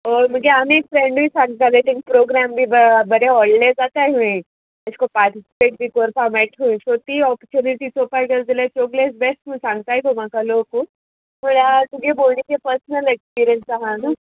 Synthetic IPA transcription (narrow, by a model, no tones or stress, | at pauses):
oməɡeanekfɾeɳɖbʱiːsãŋɡt̪at̪ajt̪ʰĩŋk̚pɾoɡɾambʱiːbəbəɾeɔɭled͡zat̪ajɦũĩ | əskopaɾʈ̪isi̥peʈ̚bʱiːkɔɾpameʈʰɦũĩsot̪iːɔpt͡ɕuniʈ̪it͡sopaɡəɾd͡z̪ilet͡ɕoɡlesbesʈməsãŋɡ̚t̪ajk̪omakaloko | m̤əɽat̪uɡʱebolnikepəɾsnəlekspiɾijənsaɦanə